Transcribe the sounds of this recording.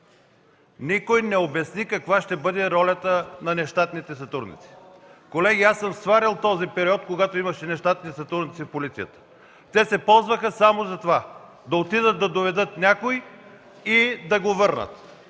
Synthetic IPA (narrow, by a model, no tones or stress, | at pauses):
nikojnɛobɛsnikɐkvaʃt̪ɛbɤd̪ɛɾɔlʲɐt̪ənɐnɛʃt̪at̪nit̪ɛsɐt̪ɾud̪nḭt̪si̥kolɛɡʲiasəmst̪vaɾilˠt̪ɔzipɛɾiɔt̪koɡat̪oimɐʃɛnɛʃt̪at̪nisɐt̪ɾud̪nit̪ifpolit̪sijət̪ə̥ | t̪ɛsɛpɔlˠzvəxɐsamozɐt̪ova | d̪ɐot̪id̪ət̪̚d̪ɐd̪ovɛd̪ɤt̪nʲakoj | id̪ɐɡovɤɾnə̰t̪